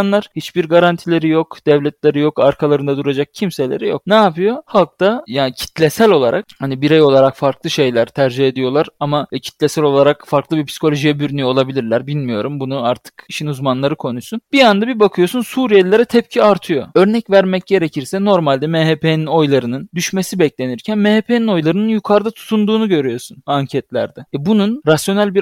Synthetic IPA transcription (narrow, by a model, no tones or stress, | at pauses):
nlˠaɾ̥hit͡ʃbiɾɡaɾant̪ʰilʲe̞ɾijo̞kd̪̥ɛvlʲɛt̪lʲeɾijo̞kaɾkʰalˠaɾɯnd̪ad̪uɾad͡ʒak̚cʰimse̞lʲe̞ɾijo̞k̚naːpɯjo̞halˠk̚t̪ajaːnicʰi̥t̪lʲesælʲo̞lˠaɾʔak̚hanibiɾejo̞lˠaɾakfaɾklˠɯʃe̞jlʲæɾt̪ʰæɾd͡ʒihed̪ijo̞lˠaɾamacʰi̥t̪lʲesælʲo̞lˠaɾakfaɾklˠɯbiɾpsi̥kʰo̞lʲo̞ʒijɛbyɾynyjo̞lˠabilʲiɾlʲæɾbilʲmijo̞ɾumbunuaɾt̪ʰɯ̥kiʃinuzmanlˠaɾɯkʰo̞nusunb̥iand̪abibakʰɯjo̞sunsuːɾijelʲeɾɛt̪ʰɛp̚cʰiaɾt̪ʰɯjo̞ø̞ɾnɛcvæɾmɛc̚ɟe̞ɾecʰiɾsɛno̞ɾmalʲd̪ɛmeɦepʰenino̞jlˠaɾɯnɯnd̪yʃme̞sibɛclʲe̞niɾcʰænmehepʰenino̞jlˠaɾɯnɯnjukʰaɾd̪at̪ʰu̥t̪ʰund̪uːnuɟø̞ɾyjo̞sunaɲcʰɛt̪lʲæ̰ɾd̪ɛbununɾasjo̞nælʲbi